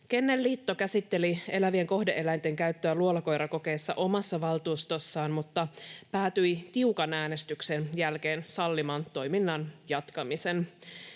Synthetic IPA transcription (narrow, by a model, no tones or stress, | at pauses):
ke̞nːelːiːt̪ːo̞kæsit̪ːe̞lie̞læʋieŋko̞hdeʔe̞læjnt̪e̞ŋkæyt̪ːøæluolɑko̞jɾɑko̞ke̞ːsːɑʔo̞mɑsːɑʋɑlt̪uːst̪o̞sːɑːnmut̪ːɑpæːt̪yjt̪iukɑnæːnest̪yksenjælke̞ːnsɑlːimɑnt̪o̞jminːɑnjɑt̪kɑmisen